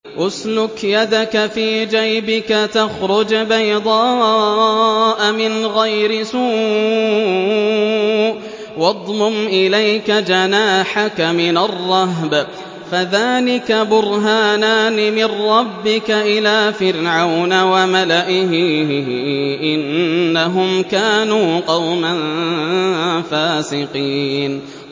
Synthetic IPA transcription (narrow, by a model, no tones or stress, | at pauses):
ʔʊslʊkjad̪akafiːd͡ʒajbɪkat̪axɾʊd͡ʒbajd̪ˤɑː | ʔamɪnɣajɾɪsuː | wɑd̪ˤmʊmʔɪlajkad͡ʒanaːħakamɪnarˤːɑɦb | faðaːlɪkabʊɾɦaːnaːnɪmɪnɾˤɑbːɪkaʔɪlaːfɪɾʕawnawamalaʔɪɦɪ | ʔɪnːaɦʊmkaːnuːqɑwman | faːsɪqiːn